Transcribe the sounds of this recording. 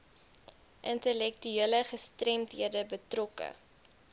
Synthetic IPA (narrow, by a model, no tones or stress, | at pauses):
ʔəntəlɛk̚tyeələχəstrɛmtɦiədəbətrɔkə̰